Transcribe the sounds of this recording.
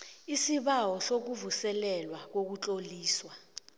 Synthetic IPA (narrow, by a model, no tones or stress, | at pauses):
isiɓawɔsok̬uvusɛlɛlwak̬ok̬ut͡ɬʼoliːswa